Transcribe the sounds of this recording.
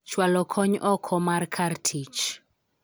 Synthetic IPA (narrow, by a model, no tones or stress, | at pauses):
t͡ʃwalɔkʰɔɲʔɔkʰɔmarkʰartʰit͡ʃ